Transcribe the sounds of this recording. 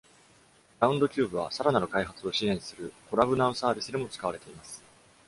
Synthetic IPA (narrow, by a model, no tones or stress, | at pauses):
ɾaɯ̟̃nd̪o̞kʲɨːbɯ̟β̞a̰saɾananokaiɦat͡sɨo̞ɕiẽ̞ɰ̃sɨɾɯ̟ko̞ɾabɯ̟naɯ̃saːbʲisɨd̪e̞mo̞t͡sɨ̥kaβaɾe̞t̪e̞imasɨ̥